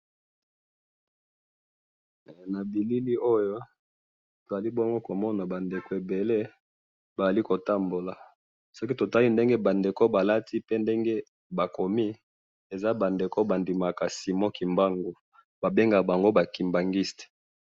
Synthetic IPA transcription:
na˨bi˨li˦li˦o˦jo˦ | to˨za˨li˦bo˦ŋɡo˦ko˨mɔ˦na˨ba˨nde˨ko˨e˨be˨le˦ | ba˨za˨li˦ko˨ta˦mbo˨la˨ | so˦ki˦to˨ta˦li˦nde˦ŋɡe˦ba˨nde˨ko˦ba˨la˦tʰi˦pe˦nde˦ŋɡe˦ | ba˨ko˨mi˦ | e˨za˦ba˨nde˨ko˦ba˨ndi˨ma˨ka˨si˨mo˦ki˨mba˦ŋɡo˨ | b̥a˨be˦ŋɡa˨ba˨ŋɡo˦ba˨ki˨mba˨ŋɡi˦ste̥˨

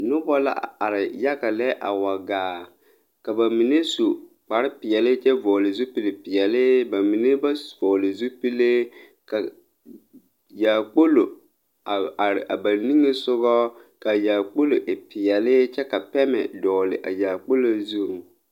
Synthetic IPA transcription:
nʊ˦bɔ˦la̰˦˨a˨ɾɪ˨ja˦ɣa˨lɛ˦ʔa̰˨wa˨ɡaː˨ | ka˨ba˨mi˨ne˦su˨ | k͡pa˨ɾɪ˦pɪ˨jɛ˨lɪ˦t͡ʃɛ˦vɔː˨lɪ˨zu˦pi˨lɪ˨pɪ˨ɛ˨lɪ˦ba˨mi˨ne˦ba˦vɔː˨lɪ˨zu˦pi˦le˦ | ka˨ | jaː˨k͡po˦lo˨ | a˨a˨ba˨ni˦ŋe˦sʊ˦ɣɔ˦ | ka˨jaː˨k͡po˦lo˨ʔɪ˨pɪ˨ɛ˨lɪ˦t͡ʃɛ˦ka˨pɛ˦mɛ̰˨dɔː˨lɪ̰˨ʔa̰˨jaː˨k͡po˦lo˦zu˦˨ŋ

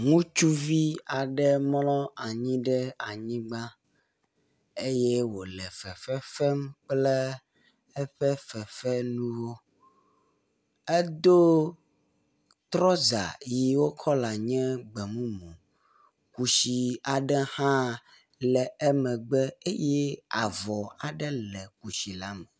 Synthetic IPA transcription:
ŋũ˦t͡ʃu˦vi˦a˨ɖɛ˦m˦lɔ̃˦a˨ɲĩ˦ɖɛ˦a˨ɲĩ˦ɡ͡ba˦ | e˦je˦wo˨lɛ˨fɛ˨fɛ˦fɛ˦mk͡plɛ˦ | ɛ˦ɸɛ˦fɛ˨fɛ˦nũ˦wo˦ | e˦d̪o˦ | t̪ɾɔ˦za̰˨ji˦wo˦kʰɔ˦la˨ɲɛ̃˦ɡ͡bɛ˨mũ˦mũ˨ | ku˨ʃi˨a˨ɖɛ˦hã˦ | lɛ˨ɛ˦mɛ̃˨ɡ͡bɛ˦e˦jɛ˦a˨vɔ˨a˨ɖɛ˦lɛ˨ku˨ʃi˨la˦mɛ˨

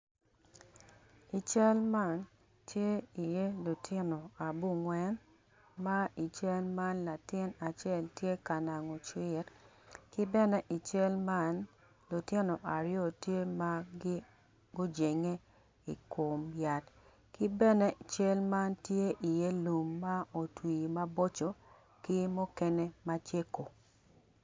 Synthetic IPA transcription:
i˨t͡ʃɛ˦lma˦n | tʰje˦i˨je˦lu˨tʰɪ˦no˨a˨bu˦˨ŋwɛ˦n | ma˦i˨t͡ʃɛ˦lma˦nla˨tɪ˦na˨t͡ʃɛ˦˨ltje˦ka˨na˨ŋɔ˨t͡ʃwɪ˦t | kɪ˦bɛ˦nɛ˦ʔi˨t͡ʃɛ˦lma˦n | lo˨tje˦no˨ʔa˨ɾɪjo˦˨tje˦ma˦ɡ | ɡo˦d͡ʒe˨ŋe˦ | i˨ko˨mja˨t | kɪ˦bɛ˦nɛ˦˨t͡ʃɛ˦lma˦ntje˦ʔi˨je˦lu˨mːa˦o˨twi˨ma˦bo˦t͡ʃo˨ | kɪ˦mɔ˦kɛ˦ne˦ma˦t͡ʃje˦ko˨

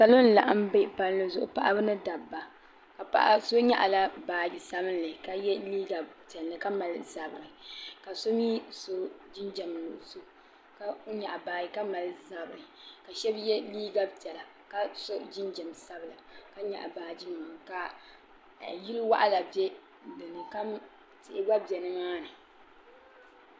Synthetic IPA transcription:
ka˨lo˦n˦la̰˨ʔa˦m˦be˦pa˦lɨ˦nɨ˦zʊ˨ʔʊ̰˨pa˦˨ʔa˦bɨ˦nɨ˦da˨bːa˨ | ka˨pa̰˦ʔso˦ɲa̰˦ʔa˨la˦baː˨d͡ʒi˨sa˦bɨ˦nlɨ˨ka˦jɛ˦liː˦ɡa˨btɛ˨lːɨ˨ka˦ma˨lza˨bɾɨ˨ka˨so˦miː˦so˦d͡ʒi˦nd͡ʒɛ˨m˨lʊ˨ʔso˦ | ka˦ɲa˨ʔbaː˨ji˨ka˦ma˨lza˨bɾɨ˨ka˨ʃɛ˦bjɛ˦liː˦ɡa˦btɛ˨la˨ | ka˦so˦d͡ʒi˦nd͡ʒɛ˨msa˦bɨ˨la˨ka˦ɲa̰˨ʔa̰˨baː˨d͡ʒi˦m˨a˨ka˨ | ji˦lwa̰˦ʔa˦la˨bɛ˦ | dɨ˨nɨ˨ka˦ | tɪ˨ʔɡ͡ba˦bjɛ˨nɨ˦maː˦nɨ˨

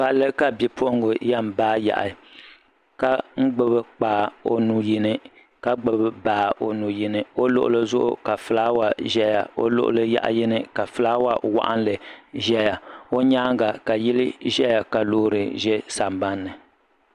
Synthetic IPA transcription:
pa˨lːɨ˦ka˨bi˨pʰo˦ʔŋɡʊ˨ja˦m˨baː˦ja̰˨ʔa̰˨ | ka˦ŋ͡m̩˦ɡ͡bɨ˦bɨ˦k͡paː˨o̰˦nu˨ji˦nɨ˦ | ka˦ɡ͡bɨ˦bɨ˦baː˨˦˨ʔo˦nu˨ji˦nɨ˦o˦lʊ̰˦ʔʊ̰˦lɨ˦zʊ˦ʔʊ̰˦ka˨fɨ˨la˦wa˨ʒɛ˦ja̰˨o̰˦lʊ̰˦ʔʊ̰˦lɨ˦ja̰˦ʔa̰˨jɪ˦nɨ˦ka˨fɨ˦la˦wa˦wa̰˦ʔa̰˦nlɨ˨ʒɛ˦ja˨o˦ɲaː˦ŋɡa˨ka˨ji˦lɨ˦ʒɛ˦ja˨ka˨loː˦ɾɨ˨ʒɛ˦sa˨mba˦nːɨ˨

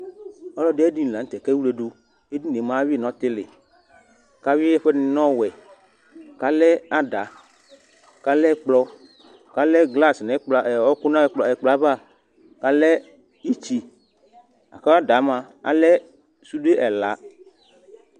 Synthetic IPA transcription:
ɔ˦lɔ˦de˦e˦di˦n˨lã˨n̩˦t̪ɛ˨kɛ˦wu˦le˨ɖo˦ | e˦di˦ne˨mã˦wi˦˨nɔ̃˦t̪ɪ˦lɪ̰˨ | ka˦wi˦ɛ˦ɸɛ˦nɪ̃˨nɔ̃˦wɛ˨ | ka˦lɛ˦a˦da˨ | ka˨lɛ˦k͡plɔ˦ | ka˨lɛ˦ɡla˦snɛ̃˨˦k͡pla˨ɛ˨ɔ˦kʊ˦nã˦ɛ˦k͡plɔ˨ɛ˨k͡pla˨˦ba˦˨ | ka˨lɛ˦ | i˦t͡ʃi˦ | a̰˨ka˦a˦da˨˦mã˨ | a̰˨lɛ˦ | su˦de˦ʔɛ˨la̰˨˦

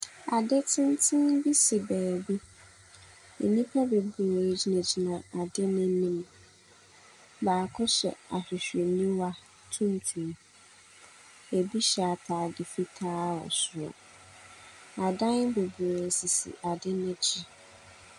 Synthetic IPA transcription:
a˨dɪ˦tʰɪ̃˦n˦tʰɪ̃˦n˦bi˦si˨bæː˨bi˦ | ḛ˨nĩ˦pʰa˦be˨bu˨d͡ʑi˨˦nã˨d͡ʑi˨nã˨a˨dɪ˦nɪ̃˦nĩ˦m | baː˨kʰʊ˦ɕɛ̰˨a̰˨ɕᶣɪ˨ɕᶣe˨nĩ˦wa˦ | tʰũ˦n˦tʰũ˨m˦ | e˨bi˦ɕɛ˨a˨tʰaː˨dɪ˨fi˦tʰaː˦ɔ̰˨sʊ˨ɔ̰˨ | a˨dã˦n˦bo˨bu˨e˨si˨sḭ˨ʔa˨dɪ˦nʊ̃˦d͡ʑʰi˦

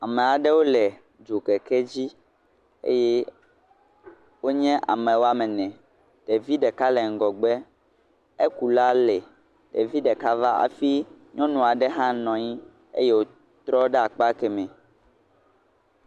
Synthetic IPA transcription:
a˨mɛ̃˨a˨ɖɛ˦wo˦lɛ˨ | d͡ʒo˨kɛ˨kɛ˦d͡ʑi˦ | ḛ˦jɛ˦ | wo˦ɲɛ̃˦ʔa̰˨mɛ̃˨wo˦a˨mɛ̃˨nɛ̃˨ | t̪ɛ˨vi˦ɖɛ˨ka˦lɛ˨ŋ̩˨ɡɔ˨ɡ͡bɛ˦ | e˦ku˨la˦lɛ˨ | te˨vi˦ɖɛ˨ka˦va˦a̰˨fi˦ɲɔ̃˦nũ˨a˨ɖɛ˦ɦã˦nɔ̃˨ɲĩ˦ | ḛ˦je˦wo˦ | t̪ɾɔ˦ɖɛ˦a˨k͡pa˦kɛ˨mɛ̃˨

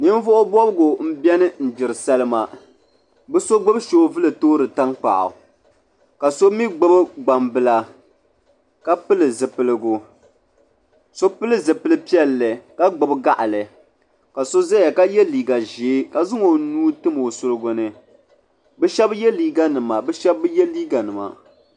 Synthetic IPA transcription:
nɨ˦n˦vʊ˦ʔʊ˦bɔ˦bɨ˦ɡʊ˨m̩˦bjɛ˦nɨ˦n̩˨d͡ʒɪ˨ɾɨ˨sa˦lɨ˦ma˨ | bɨ˦so˦ɡ͡bɨ˦bʃoː˦vɨ˦lɨ˨toː˦ɾɨ˨ta˦ŋk͡pa̰˨ʔʊ̰˨ | ka˨so˦mi˦ɡ͡bɨ˦bɡ͡ba˨mbɨ˦la˦ | ka˦pɨ˦lɨ˨zɨ˨pɨ˨lɨ˨ɡʊ˨ | so˦pɨ˦lɨ˦zɨ˨pɨ˦lɨ˦pi˦ɛ˦lːɨ˨ka˦ɡ͡bʊ˨bɡa˦ʔa˨lɨ˨ | ka˨so˦za˦ja˨ka˦jɛ˦liː˨ɡa˨ʒe˨˦ka˨zɨ˦ŋo˨nuː˦tɨ˦mo˨sʊ˨lɨ˦ɡʊ˨nɨ˨ | bɨ˦ʃɛ˦bjɛ˦liː˦ɡa˦nɨ˨ma˨bɛ˦ʃɛ˦bːɨ˦jɛ˦liː˦ɡa˨nɨ˨ma̰˨

